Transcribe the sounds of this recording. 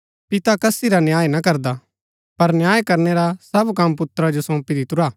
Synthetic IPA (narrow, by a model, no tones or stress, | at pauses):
pɪt̪akɐsiɾanjaːjenakɐɾd̪a | pɐɾnjaːjkɐɾneɾasɐbkɐmːp̬ʊt̪ɾad͡ʒosõːpiɾit̪ʊɾaː